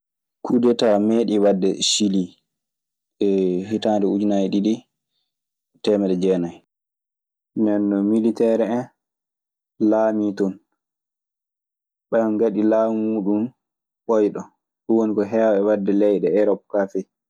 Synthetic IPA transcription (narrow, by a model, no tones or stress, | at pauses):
kʰudɛtameɗiwadːɛʃili | ɛhitandɛud͡ʒinajɗiɗi | tɛmɛɗɛd͡ʒɛnaj | nɛnːɔmilitɛɾɛɛn | laːmitɔn | ɓɛnɡaɗilaːuɗum | ɓɔjɗɔ | ɗuwonikɔɦɛwaɛwadːɛlɛjɗɛɛɾɔp̚kafɛ